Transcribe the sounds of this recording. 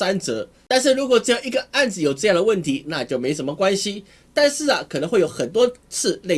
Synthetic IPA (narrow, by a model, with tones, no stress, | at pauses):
a˥nt͡sɤ˧˥ | t̪a˥˧nʂ̬ɻ̩˥˩ɻu˧˥kwɔ˨˩ʈ͡ʂɤ˥˧jɑ˥˧ŋi˧˥ɡə˨˩a˥˩nd͡zɹ̩˨˩jo˨˩ʊʈ͡ʂɤ˥˧jɑ˥˩ŋd̪ə˩wə˥˩nt̪ʰi˧˥˦na˥˨t͡ɕjo˥˩ʊme˥ɪo˨˩ʂə˧˥mə˧˩kwa˥nɕi˧ | t̪a˥˧nʂɻ̩˥˩ɐ˩kʰnə˧˥ŋxwe˥˩ɪjo˨˧˥ʊxə˨˩nt̪wɔ˥t͡sʰɹ̩˥˧le˥˩